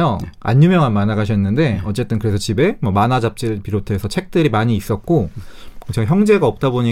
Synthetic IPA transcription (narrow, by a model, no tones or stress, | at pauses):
jʌa̰ɲːumjʌŋanmanaɡaɕʰʌnːɯnde̞ʌt͡ɕ͈e̞t͈ɯnkɯɾe̞sʰʌt͡ɕibe̞mwʌmanad͡ʑap̚t͡ɕ͈iɾɯɭpiɾotʰe̞sʰʌt͡ɕʰe̞k̚t͈ɯɾimaɲiːs͈ʌt̚k͈okt͡ɕʰaɡçjʌŋd͡ʑe̞ɡaʌp̚t͈aboɲi